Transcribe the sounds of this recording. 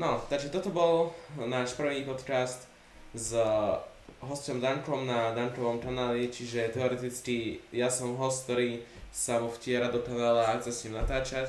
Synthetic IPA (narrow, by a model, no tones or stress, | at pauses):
nɔt̪aɡʒɛt̪ɔt̪ɔbɔlnaːʃpr̩ʋiːpɔt̪kast̪ | z | ɦɔscɔmd̪aŋkɔmnad̪aŋkɔʋɔmkanaːlit͡ʃiʒɛt̪ɛɔɾɛt̪it͡skijasɔmɦɔst̪k̚t̪ɔɾiːsamufcɪɛɾad̪ɔkanalaak̚t͡sɛsɲimnat̪aːt͡ʃac